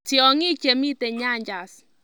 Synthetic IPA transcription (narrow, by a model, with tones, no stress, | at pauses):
ti˨ɔ˨ŋi˦t͡ʃe˨mi˦tɛ˨ɲa˦˨ɲd͡ʒa˨s